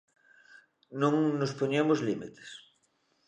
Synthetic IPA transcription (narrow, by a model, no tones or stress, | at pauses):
nõŋnospoɲemozlimit̪e̥s